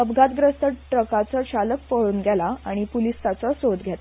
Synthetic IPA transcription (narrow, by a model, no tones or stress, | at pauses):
əbɡʱat̪ɡɾəst̪ʰəʈɾəkat͡səɕalək̚pəɭuːnɡʱɛlaa̰ɽ̃ipulist̪at͡sɔsod̪ɡʱjɛt̪